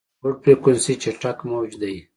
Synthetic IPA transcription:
ʊɽ̚pɾekʊnsit͡ʃeʈakmowd͡ʒd̪aj

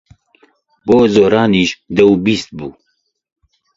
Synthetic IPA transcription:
boːzoːɾɑːniːʃd̪ɛwbiːst̪̚buː

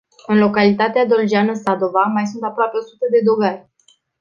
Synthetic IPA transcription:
ɨnlo̞kalit̪at̪ead̪o̞ld͡ʒianəsad̪o̞vamajs̬unt̪apɾoape̞o̞sut̪əd̪e̞d̪o̞varʲ

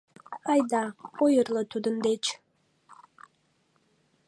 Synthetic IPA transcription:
ɑjd̪ɑojəɾlˠɤt̪ʰud̪ɨnd̪et͡ʃʰ

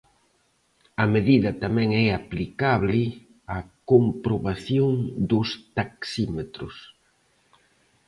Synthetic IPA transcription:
ɐmeðiðɐt̪amɛ̃ŋɛaplikaβlɪ | ɐkompɾoβaθjoŋd̪ʊst̪aksimet̪ɾʊs

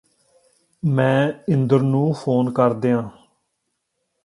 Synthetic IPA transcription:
mɛ̃ːɪnd̪əɾnũːpʰoːnkəɾd̪eːãː

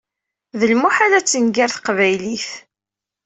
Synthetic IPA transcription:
ðəlmuħalæt͡sːənɡaɾθqvæjliθ

